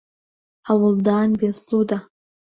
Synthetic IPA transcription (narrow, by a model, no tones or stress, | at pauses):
awʊlˠd̪aːnbeslud̪a